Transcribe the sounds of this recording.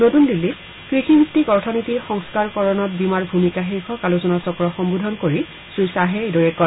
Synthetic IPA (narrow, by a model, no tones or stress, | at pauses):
notundilːi | kɹixʰibik̚tikɔɹtʰɔnitixɔŋskaɹkɔɹɔnɔt̚bimaɹbʱumikaxeɹkʰɔkaluzɔnasɔkɔɹɔxɔmbudʱɔnkoɹi | susaɦɛedɔɹɛkɔ